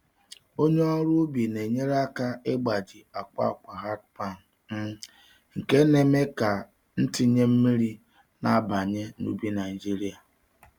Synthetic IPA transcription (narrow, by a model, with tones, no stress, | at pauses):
o˦ɲe˦ɔ˦ɾu˦bi˨ne˨ɲe˦ɾa˦ka˦e˦ɡ͡ba˨d͡ʒi˨a˨k͡pa̰˦˨ka˨ɦa˦tpa˦˨n˨ | m̩˦ | ŋ̩˨ke˦ne˨me˦ka˨ | n̩˦ti˦ɲe˦m̩˦mi˦ɾi˦ | na˨˦ba˨ɲe˦nṵ˦bi˦na˨i˨d͡ʒi˦ɾi˦a˨